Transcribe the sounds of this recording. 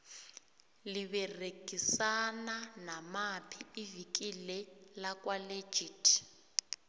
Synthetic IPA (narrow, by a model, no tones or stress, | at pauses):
liβɛreɡ̥ʱisananamapʰiivik̬ʼilɛlakʼwale̥d͡ʒʱitʰʼ